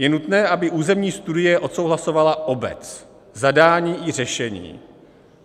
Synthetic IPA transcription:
jɛnut̪nɛːʔabɪʔuːzɛmɲiːst̪udɪjɛʔo̞t̪so̞wɦlaso̞valaʔo̞bɛ̰t͡s | zadaːɲiːʔɪrɛʃɛɲḭː

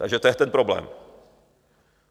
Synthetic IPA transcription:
t̪aɡʒɛt̪ojɛt̪ɛnpɾoblɛ̰ːm

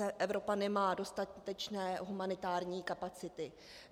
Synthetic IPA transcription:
ɛʔɛvɾo̞panɛmaːdo̞st̪at̪ɛt͡ʃnɛːɦumanɪt̪aːɾɲiːkapat͡sɪt̪ɪ

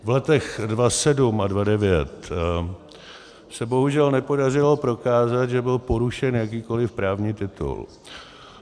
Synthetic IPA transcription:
vlɛt̪ɛxdvasɛdumʔadvadɛvɪjɛt̪ | sɛbo̞ɦuʒɛlnɛpo̞dar̝ɪlo̞pɾo̞kaːzat̪ʒɛbɪlpo̞ɾuʃɛnjak̬iːko̞lɪfpɾaːvɲiːt̪ɪt̪ṵl

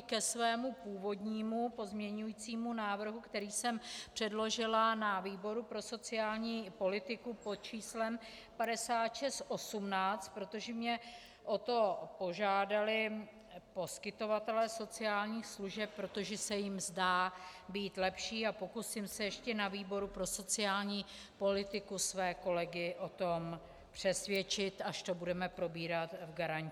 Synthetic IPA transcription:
kɛsvɛːmupuːvo̞d̪ɲiːmupo̞zmɲɛɲujiːt͡siːmunaːvr̩ɦukt̪ɛɾiːsɛmpr̥ɛdlo̞ʒɪlanaviːbo̞ɾupɾo̞so̞t͡sɪaːlɲiːpo̞lɪt̪ɪkupot̪̚t͡ʃiːslɛm | padɛsaːt̪ʃɛst̪ʔo̞sumnaːt͡st̪̚pɾo̞t̪o̞ʒɛmɲɛ | ʔo̞t̪o̞po̞ʒaːdalɪ | po̞skɪt̪o̞vat̪ɛlɛːso̞t͡sɪaːlɲiːxsluʒɛp̚ːɾo̞t̪o̞ʒɛsɛjɪmzdaːbiːt̪lɛpʃiːapo̞kusɪmsɛjɛʃcɛnaviːbo̞ɾupɾo̞so̞t͡sɪaːlɲiː | po̞lɪt̪ɪkusvɛːko̞lɛɡɪʔo̞t̪o̞m | pr̝̥ɛsvjɛt͡ʃɪt̪aʃt̪o̞budɛmɛpɾo̞biːɾat̪vɡaɾaɲc

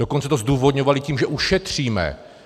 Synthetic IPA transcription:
okont͡sɛt̪ozd̪uːvod̪ɲovalɪciːmʒɛʔuʃɛt̪r̝̥iːmɛ̰

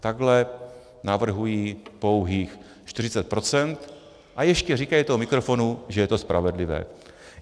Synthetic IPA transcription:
t̪aɡlɛ | navr̩ɦujiːpowɦiːx | ʃt̪ɪrɪt͡sɛt̪̚pɾo̞t͡sɛnt̪ | ʔajɛʃcɛrikajit̪oɦomɪkɾofo̞nuʒɛjɛt̪ospɾʔa̰vɛdlɪvɛ̰ː

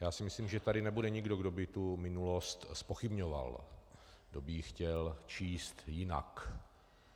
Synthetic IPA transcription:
jaːsɪmɪsliːmʒɛt̪adɪnɛbudɛɲɪɡdo̞ɡdo̞bɪt̪umɪnulo̞st̪spoxɪbɲova̰l | ɡdobɪxcɛlt͡ʃiːst̪jɪna̰k

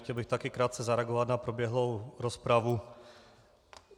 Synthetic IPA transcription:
cɛlbɪxt̪akɪkɾaːt̪̚t͡sɛzaɾɛaɡovat̪napɾobjɛɦlowɾospɾavu

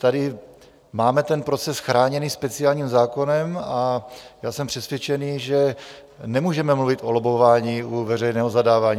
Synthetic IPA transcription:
t̪adɪ | maːmɛt̪ɛnpɾo̞t͡sɛsxɾaːɲɛniːspɛt͡sɪaːlɲiːmzaːko̞nɛmajaːsɛmpr̥ɛsvjɛt͡ʃɛniːʒɛ | nɛmuːʒɛmɛmluvɪt̪ʔolobovaːɲiːʔuvɛrɛjnɛːɦozadaːvaːɲi

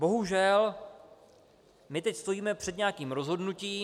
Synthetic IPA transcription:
bo̞ɦuʒɛl | mɪt̪ɛcst̪o̞jiːmɛpr̝̥ɛd̪ɲɛakiːmɾo̞zɦo̞dnuciː

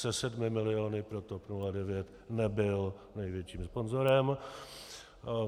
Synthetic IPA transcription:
sɛsɛdmɪmɪlɪonɪpɾot̪opnuladɛvjɛt̪ | nɛbɪl | nɛjvjɛt͡ʃiːmspo̞nzoɾɛm

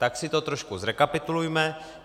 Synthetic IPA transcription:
t̪aksɪt̪ot̪ɾoʃkuzɾɛkapɪt̪ulujmɛ

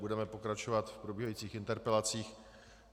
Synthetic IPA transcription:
budɛmɛpo̞kɾat͡ʃovat̪fpɾobiːɦajiːt͡siːxɪnt̪ɛɾpɛlat͡siːx

